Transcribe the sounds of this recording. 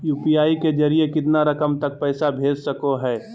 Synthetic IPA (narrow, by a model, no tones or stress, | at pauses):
juːpiaːiked͡ʒɐɾiekɪt̪naɾɐkəmt̪ɐk̚pɛːsabʱeːd͡ʒsɐkoɦɛː